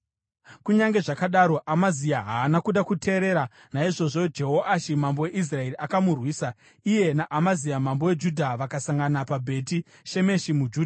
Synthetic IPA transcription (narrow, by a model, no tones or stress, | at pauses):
kuɲaŋɡe̞ʐakaɗaɾo̞ʔamaziaɦaːnakuɗakutʰe̞ːɾe̞ɾa | naiʐo̞ʐo̞d͡ʒe̞ɦoʔaʃimambo̞we̞ʔis̬rae̞riʔakamurwiːsa | ije̞naʔamaziamambo̞we̞d͡ʒudʱaʋakasaŋɡanapabʱe̞ti | ʃe̞me̞ʃimud͡ʒuːdʱa